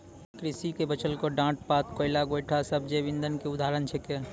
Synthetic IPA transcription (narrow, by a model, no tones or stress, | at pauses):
kɾɪsikebət͡ʃəlkoɖãːʈpaːt̪koːɪlaɡoːjʈʰasəb̚ʱd͡ʒebɪ̃nd̪ənkeʊd̪ʱaːɾənt͡ʃʰeke